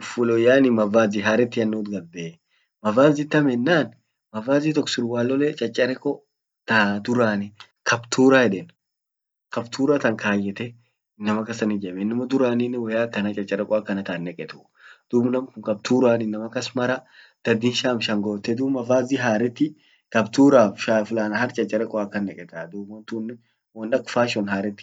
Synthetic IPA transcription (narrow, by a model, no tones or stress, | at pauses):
ʊfʊlɔjaːnɪmɐvaːziɦaːɾɛt̪ːɪjɐnːuːt̪ɡɐbːeː | mɐvaːzɪt̪ːɐmɛnːaːn | mɐvaːzit̪̬ɔkːsɪɾʊwaːlːɔlɛt͡ʃʼɐt͡ʃʼːɐɾɛkʼɔ | t̪aːd̪ʊɾaːnɪ | kʰɐbt̪ʰuːɾahɛᶑɛn | kɐbt̪ʰuːɾat̪ɐŋkaːjːɛt̪ɛ | ɪnːɐmɐkːɐsɐnɪd͡ʒɛmɛɪnːɐmɐd̪ʊɾaːninːɪwɐjaːkɐnat͡ʃʼɐt͡ʃʼːɐɾɛkʼɔɐkːɐnɐt̪aːnːɛkʼɛt̪ʊ | d̪̥ubnɐmkʊŋkɐb̚t̪uːɾaːnɪnːɐmɐkːɐsmɐɾɐ | d̪̥ɐd̪ɪnʃaːmʃɐŋɡoːt̪ːɛd̪uːmɐfaːziɦaːɾɛt̪ːɪ | kɐbt̪uːɾaːfʃafʊlaːnɐhɐɾt͡ʃʼɐt͡ʃʼːɐɾɛkʼɔɐkːɐnːɛkʼɛt̪aːd̪ubɔnt̪unː | wɐnɗɐkfaːʃɔnhaːɾɛt̪ːɪ̥